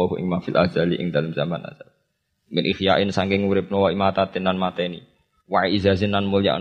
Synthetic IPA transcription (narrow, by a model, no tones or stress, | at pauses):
ɔɦuʔɪ̰ŋmafilʔa̰d͡ʒalḭʔɪ̰ŋd̪alamzamana̰sa | mɪnʔixjaʔɪnsaŋkɪŋuɾɪp̚nowaimat̪at̪ɪnːanmat̪ɛni | waʔiizazɪnːanmulja̰ʔ